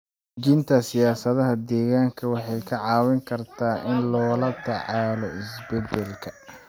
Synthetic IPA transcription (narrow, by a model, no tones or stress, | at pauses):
d͡ʒɪnt̪ʰɐsɪjaːsɐðɐɦɐd̪ɛːɣaːŋkʰɐwɑħɑjkʰɐʕɑːwɪŋkʰɐrt̪ʰaːʔɪnlɔːlɐd̪ɐʕɑːlɔɪsbɛd̪ɛlkʰɐ